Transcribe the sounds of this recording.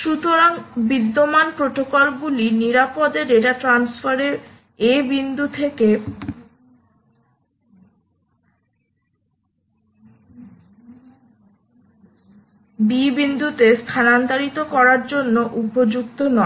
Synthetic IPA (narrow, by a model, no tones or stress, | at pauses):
ʃut̪oɾaŋbid̪ːomanpɾoʈokolɡuliniɾapɔd̪eɾeʈaʈɾansfʰaɾeɾ | ebind̪ut̪ʰeke | bibind̪ut̪est̪ʰanand̪aɾit̪okɔɾaɾd͡ʑonːoʔupod͡ʑukt̪onɔe